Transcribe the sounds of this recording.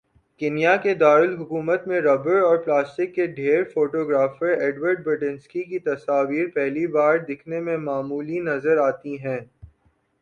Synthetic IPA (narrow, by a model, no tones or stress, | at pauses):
kɪːnijaked̪aːɾʊlɦʊkuːmət̪mẽɾɔːbəɾɔːɾplaːsʈɪkːeɖʱeːɾfoːʈoːɡɾaːfəɾeːɖwəɾɖ̚bəʈɪ̃nskikit̪ɐsaːʋiːɾpɛɦlibaːɾd̪ɪkʰnemẽmaːmuːlinɐzəɾaːt̪iɦɛ̃ː